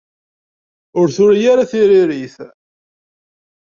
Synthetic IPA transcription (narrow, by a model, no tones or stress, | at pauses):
ʊɾθʊɾjaɾaθiɾiɾiθ